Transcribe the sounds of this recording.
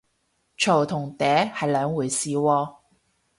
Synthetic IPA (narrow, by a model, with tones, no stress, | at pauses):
t͡ʃʰo˨˩wt̪ʰʊ˨˩ŋt̪ɛː˨˥hɐ˨jlœː˨˧˥ŋwuː˨˩jsiː˨wɔː˧